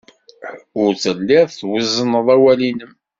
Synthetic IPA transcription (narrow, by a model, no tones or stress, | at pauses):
ʊɾt͡səlːiʁˤθwəzːənəðˤæwælinəm